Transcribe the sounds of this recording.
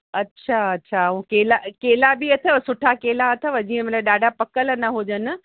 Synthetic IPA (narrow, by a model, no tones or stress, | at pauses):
ɐtːɕʰaɐtːɕʰaũkeːlakeːlabiɐt̪ʰəsʊʈʰakeːlaɐt̪ʰə̆ʋɐd͡ʑiə̃mɐt̪əɗaːɖʱapɐkəlnɐɦʊd͡ʑənɪ̆